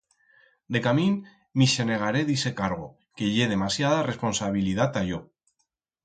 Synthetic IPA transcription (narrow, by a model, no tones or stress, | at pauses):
d̪e̞kamĩnː | iʃene̞ɣ̞aɾe̞ðise̞kaɾɣ̞o | ke̞ʝeð̞e̞masjað̞are̞spo̞nsaβilið̞at̪aʝo